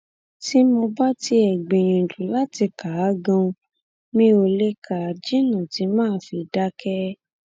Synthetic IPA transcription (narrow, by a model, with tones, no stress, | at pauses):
ti˦mo˧ba˦ti˧˦ɛ˨ɡ͡bẽ˨j̃ĩ˨d͡ʒũ˨˦la˦ti˧ka˨˦ɡã˧ũ˧ | nĩ˦o˧le˦ka˨d͡ʒi˦nã˨ti˨˧˦mãː˦˧˦fi˧da˦kɛ˦